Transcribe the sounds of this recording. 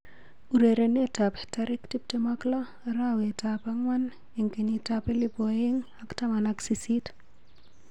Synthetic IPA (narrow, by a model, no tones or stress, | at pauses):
uɾeɾenetape̥taɾiktip̚temakla | ɾawetapaŋwan | eŋkenitapelibojiŋaktamanaksisit